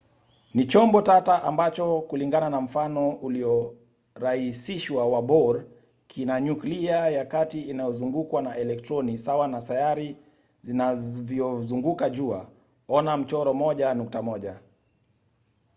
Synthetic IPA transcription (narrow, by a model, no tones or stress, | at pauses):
nit͡ʃɔmbɔtataʔambat͡ʃɔkuliŋɡananam̩fanɔuliɔ | ɾahisiʃwawabɔɾ | kʰinaɲukliajakatiːnajɔzuŋɡukwanaʔɛlɛk̚tɾɔnisawanasajaɾi | zinavjɔzuŋɡukaʄua | ɔnam̩t͡ʃɔɾɔmɔʄanuk̚tamɔʄa